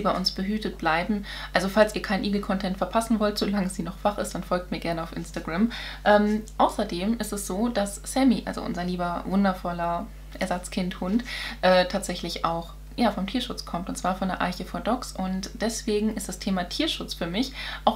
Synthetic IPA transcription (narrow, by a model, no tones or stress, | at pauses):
ibaɪʔʊnsb̥əɦyːtət̚b̥laɪbm̩ | ʔalzofalsiːɐkʰaɪnʔiːɡl̩kʰɔntʰɛntfɛɐpʰasn̩vɔltz̥olaŋəziːnɔχv̥aχɪstd̥anfɔlk̚t̚miːɐɡɛɐnəaʊfʔɪ̰nstaɡʁamʔɛːmʔaʊsɐdeːmʔɪstɛsz̥oːd̥as | sɛmiʔa̰lzo̰ʔʊ̰nzɐliːbɐvʊndɐfɔlɐ | ʔɛɐzat͡skʰɪnthʊntʔɛːtʰaːtz̥ɛçlɪça̰ʊx | jaːfɔmtʰiːɐʃʊt͡skʰɔmtʊntt͡sv̥aːɐfɔndeɐʔa̰ɪçəfɔːɐdɔksʊntd̥ɛsv̥eːɡŋ̩ɪstd̥astʰeːmatʰiːɐʃʊt͡sfyːɐmɪçʔaʊx